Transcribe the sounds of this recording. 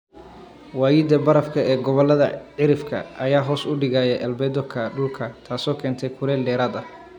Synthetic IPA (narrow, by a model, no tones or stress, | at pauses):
waːjɪːd̪ɐbɐɾɐfkʰɐɛːɡɔβɔlɐðɐ̰ʕɪɾɪfkʰɐ̰ʔɐjaːɦɔːsʊɖɪɣaːjɛʔɐlbɛːd̪ɔkʰɐɖʊlkʰɐt̪ʰaːsɔːkʰɛːnt̪ʰɛjkʰʊɾɛːlɖɛːɾaːd̪ɐ